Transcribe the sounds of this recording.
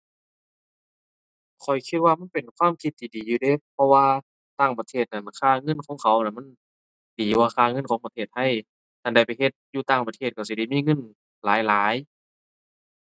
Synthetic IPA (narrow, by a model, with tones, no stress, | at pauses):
kʰɔ˨˩jkʰi˧t̪̚waː˧ma˧˥˨npe˨˩nkʰwaː˧˥˨mkʰi˧t̪ʰːiː˧˨diː˨˩juː˧˩deː˧˨pʰɔ˧waː˧ | t̪aː˧˩˨ŋpa˧t̪ʰeː˧˩t̪̚na˧˩nkʰaː˧˨ŋɤ˧˥˨nkʰɔː˨˧˦ŋkʰa˨˦wna˧˨˩nma˧˥˨n | diː˨˦waː˧kʰaː˧˩ŋɤ˧˥˨nkʰɔː˨˦ŋpt̪ʰeː˧˩t̪̚ha˧˥˩j | t̪ʰa˧˩nda˧˩jpa˨jɦe˧t̪̚juː˧t̪aː˧˩ŋpa˧t̪ʰeː˧˩t̪̚ka˧˩si˧˦da˧˩jmiː˧˥˨ŋɤ˧˥˨n | laː˨˦jlaː˨˦j